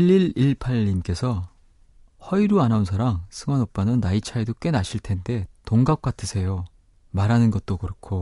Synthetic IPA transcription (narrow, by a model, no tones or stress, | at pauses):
iʎːiɭiɭpʰaʎːimk͈e̞sʰʌ | hʌiɾuanaunsʰaɾaŋsʰɯŋwanop̚p͈anɯnːait͡ɕʰaidok͈e̞naɕʰiɭtʰe̞nde̞toŋɡap̚k͈atʰɯsʰe̞jo | maɾɦanɯnɡʌt̚t͈okɯɾʌkʰo